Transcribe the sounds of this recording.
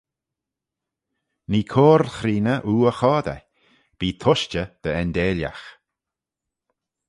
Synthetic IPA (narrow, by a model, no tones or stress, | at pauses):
niːkʰoːɾxɾiːnəʔuːəxɔːd̪ɛ̰ | b̥iːt̪ʰʊʃt͡ʃəd̪̥əɛnd̪eːlʲa̰x